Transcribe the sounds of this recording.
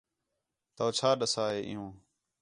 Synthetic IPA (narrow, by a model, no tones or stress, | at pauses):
t̪oːt͡ʃʰaːɗəsaːɦeːʔɪ̰jũː